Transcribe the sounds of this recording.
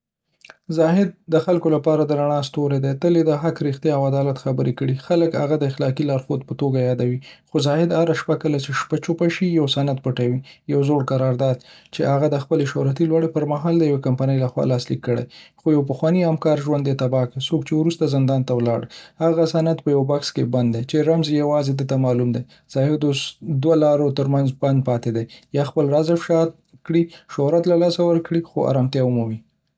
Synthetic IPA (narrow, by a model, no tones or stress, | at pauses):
zɑɦɪd̪̚ːəxalkolapɑɾad̪əɾaɳ̃ɑst̪oɾed̪et̪əled̪əɦakɾixt̪jɑawad̪ɑlat̪xabəɾekəɽixaləkha̰ɣad̪əɪxlɑkilɑɾxod̪̚pət̪oɡajɑd̪awixozɑhɪd̪haɾaʃpakəlat͡ʃeʃpat͡ʃopaʃijawsanad̪̚pəʈawijawzoɽkaɾɑɾd̪ɑd̪̚t͡ʃeʔaɣad̪əxpəleʃowɾat̪ilwaɽepəɾmaɦɑld̪əjawekampanəjlaxwɑ̰lɑslikːəɽḛjxojawpəxwɑniamkɑɾʒwand̪jet̪abɑkesokt͡ʃewɾust̪azɪnd̪ɑnt̪awlɑ̰ɽhaɣasanad̪pəjawbɑkskeband̪ːet͡ʃeɾamzjawɑzed̪ət̪amɑlumd̪ej | z̥ɑhɪd̪osd̪walɑɾot̪əɾmanzband̪̚pɑt̪ed̪ejɑxpəlɾazɪfʃɑt̪̚ | kɽiʃoɾat̪lalɑsawəɾkɽixoa̰ɾɑmt̪jɑʊmumi